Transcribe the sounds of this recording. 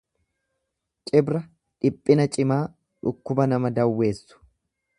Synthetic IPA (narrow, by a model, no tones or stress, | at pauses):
t͡ʃʼɪbɾɐ | ᶑɪpʼːɪnɐt͡ʃʼɪmaː | ᶑʊkːʊbɐnɐmɐd̪ɐwːe̞ːsːʊ̥